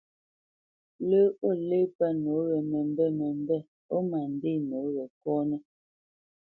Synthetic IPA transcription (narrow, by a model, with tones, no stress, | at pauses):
lə˦o˦˨le˦pɛ˦no˨˦ɣɛ˨mɛ˨m˦bɛ˦mɛ˨m˦bɛ˦˨ | o˦ma˨n˨de˦˨no˨˦ɣɛ˨kɔː˦nɛ˦